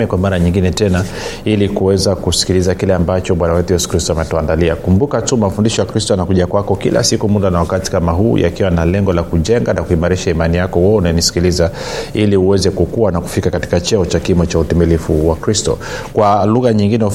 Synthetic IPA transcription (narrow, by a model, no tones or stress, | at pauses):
ɛkwamaɾaɲiŋɡinɛtɛna | ilikuwɛzakusi̥kilizakilɛambat͡ʃɔɓwanawɛtujɛsu̥kɾistɔamɛtɔandaliakumbukatumafundiʃɔjakɾistɔanakuʄakwakɔkilʔa̰sikumuɗanawakati̥kamaɦuːjʔa̰kiwanalɛŋɡɔlakuʄɛŋɡanakuimaɾiʃaimanijakɔwɔunanisi̥kiliza | iliuwɛzɛkukuwanaku̥fikakati̥kat͡ʃɛɔt͡ʃakimɔt͡ʃautimilifuwakɾistɔ̰kwaluɣaɲiŋɡinɛ